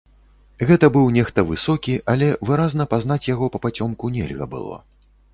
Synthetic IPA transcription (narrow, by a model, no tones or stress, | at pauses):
ɣɛt̪ɐbɨwnʲɛxt̪ɐvɨsɔkʲiʔalʲɛvɨɾaznɐpaznat͡sʲjaɣɔpɐpat͡sʲɔmkunʲɛ̰lʲɣɐ̰bɨ̰lˠɔ̰